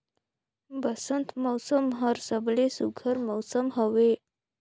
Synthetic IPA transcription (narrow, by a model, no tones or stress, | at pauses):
bəsənt̪mɔwsəmɦəɾsəblesuɡʰʱəɾməwsəmɦəʋe